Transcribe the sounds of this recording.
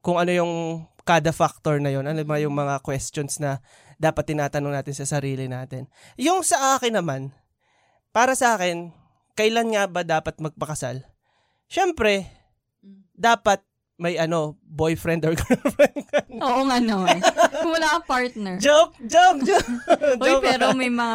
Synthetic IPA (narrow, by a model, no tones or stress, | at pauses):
kʊŋɐno̞jʊŋkaːd̪ɐfak̚t̪oɹnɐjo̞nɐnobɐajʊŋmɐŋakwɛst̪onsnɐ | d̪aːpɐt̪̚ːɪnaːt̪ɐnoŋnaːt̪ɪnsɐsɐɾiːlɪnaːt̪ɪn | jʊŋsɐʔaːkɪnːɐman | paːɾɐsɐʔaːkɪn | kɐʔɪlanŋabɐd̪aːpɐt̪̚mɐɡ̚pɐkɐsa̰l | ʃɛmpɾɛ | d̪aːpɐt̪̚ | mɐjʔɐno̞bo̞jfɾɛnd̪oɹɡofɾɛnkɛoːʔoŋanoʊmʊlaːkɐpaɹt̪nɛɹd͡ʒop̚d͡ʒokd͡ʒod͡ʒopɛːɾomɐjmɐŋa